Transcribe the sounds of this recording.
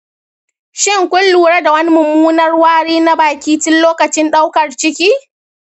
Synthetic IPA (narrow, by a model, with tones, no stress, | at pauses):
ʃɪ˦ŋkʷʊ˦lːuː˨ɽa˦da˨wɐ˦ni˦mʊ˨mːuː˦nɐ˦rwaː˦ɽiː˦na˦baː˨kʲiː˦tʊ˦nloː˦kɐ˨t͡ʃɪ˦nɗa˦wkɐ˨rt͡ʃɪ˦kʲiː˦